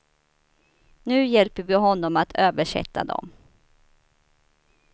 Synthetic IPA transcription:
nʉ̟ːjɛlpəɾvɪɦɔnːɔmat̪ʰøːvəʂɛ̰t̪ʰːa̰d̪ɔ̰m

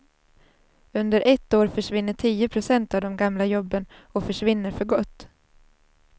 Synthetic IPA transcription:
ɵnd̪əɾʔɛt̪ːoːɾfœʂvɪnːəʈʰiːəpʰɾʊsɛnt̪avd̪ɔmɡamlajɔbːənɔfœʂvɪnːəɾfœɾɡɔt̪ː

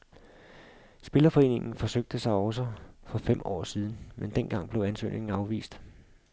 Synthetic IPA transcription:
sb̥e̝lɐfɒ̽e̝̰ːne̝ŋn̩fɒ̽søɡ̥̚d̥əsɑ̈ɪɒ̽ʊsəfɒ̽fem̰ɒ̰ːsið̞ˠn̩mend̥enɡ̥ɑ̈ŋ̰b̥le̝ʊænsø̰ːne̝ŋn̩ɑ̈ʊʋḭːsd̥

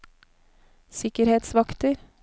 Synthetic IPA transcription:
sɪkəɾheːt̪sʋɑkt̪əɾ

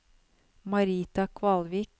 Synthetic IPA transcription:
mɑɾiːt̪ɑkʰʋɑlʋiːk

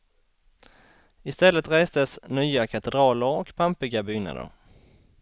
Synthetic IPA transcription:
ɪst̪ɛlːət̪ɾeːsd̪əsnyːakʰat̪ɛd̪ɾɑːləɾɔkpʰampɪɡabʏːna̰d̪ə̰ɾ

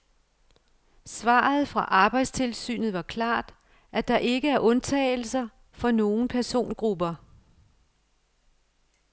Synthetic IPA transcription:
sʋɑ̈ːð̞̩ˠfʁɑ̈ʔɑ̈ːb̥ɑ̈ɪd̥st͡sʰe̝lsy̰ːnð̞̩ˠʋɑ̈kʰlɑ̰̈ːd̥ | ʔæd̥ɑ̈ʔe̝ɡ̥əæɐʔɔ̽nt͡sʰɛ̰ːɪl̩sɐ | fɒ̽no̝ːn̩pʰæɐso̝̰ːnɡ̥ʁub̥ɐ

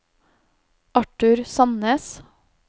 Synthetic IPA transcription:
ʔɑʈʉɾsɑnəːs

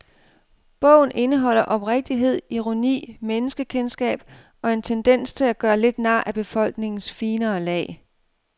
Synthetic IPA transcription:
b̥ɔ̽ʊ̰n̩ʔe̝nəɦɒ̽l̰ɐʔɒ̽b̥ʁeɡ̥̚d̥iɦe̝ð̞̰ˠiʁonḭːmenəsɡ̥əkʰensɡ̥ɛ̰ːb̥ | ɒ̽e̝nt͡sʰend̥en̰st͡sʰe̝læɡ̥ɶːɐle̝d̥næ̈ːʔæb̥e̝fɒ̽l̰ɡ̥ne̝ŋn̩sfiːnɐːlɛ̰ːɪ

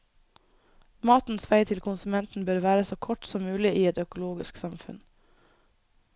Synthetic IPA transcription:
mɑːt̪n̩sʋæɪt̪ʰɪlkʰʊnsʉmɛnt̪n̩bøːɾʋæːɾəsoːkʰɔʈsɔmːʉːlɪʔiːɛt̪œkʊloːɡɪsksɑmfʉ̰n

